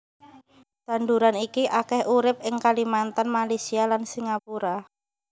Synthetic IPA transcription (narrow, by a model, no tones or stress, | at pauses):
t̪and̪uɾanikiʔakɛhʔuɾɪp̚ɪŋkalimant̪anmalejsialansiŋapuɾa